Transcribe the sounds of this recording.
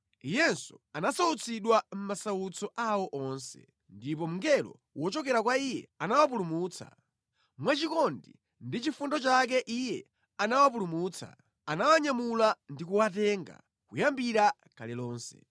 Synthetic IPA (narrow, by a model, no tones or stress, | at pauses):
ijɛnsɔanasaut͡sʰiɗwam̩masaut͡sʰɔʔawɔʔɔnsɛ̰ | ndip̬ɔm̩ŋɡɛlɔ̰ | wɔt͡ʃɔkɛɾakwaijɛ̰anawap̬ulumuːt͡sʰa̰ | mwat͡ʃikɔndi | ndit͡ʃifundɔt͡ʃak̬ɛʔijɛ | anawap̬ulumuːt͡sʰa̰ | anawaɲamulandikuwatɛŋɡa̰ | kujambiɾa | kalɛlɔːnsɛ̰